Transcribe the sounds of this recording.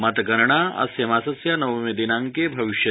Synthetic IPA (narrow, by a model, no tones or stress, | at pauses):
mɐt̪ɡɐɾɳaɐ̰sjɐmaːsɐsjanɐʋmed̪inãːŋkebʱɐʋiʃjɐ